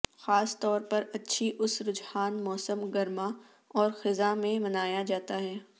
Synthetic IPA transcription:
xaːst̪ɔːɾpɐɾɐtːʃʰiʔʊsɾʊd͡ʒhaːnmɔːsəmɡɐɾma | ɔːɾxɪzamẽmɐnaːjad͡ʒaːt̪aɦɛː

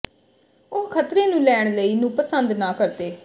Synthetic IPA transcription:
ʊɦkʰət̪ɾeːnũːlɛːɳ̃ləiːnũːpəsənd̪naːkəɾt̪eː

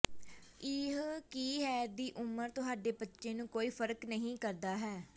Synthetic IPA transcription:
ɪɦkiːɦɛːɾd̪iːʔʊməɾt̪ʊɦaːɖeːbətːʃẽːnũːkoːiːpʰəɾknəɦĩːkəɾd̪aːɦɛː

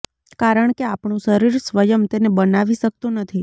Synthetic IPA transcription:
kaɾəɳ̃keapɳũʃəɾiɾsʋəjəmt̪enebənaʋiʃək̚t̪ũnət̪ʰi

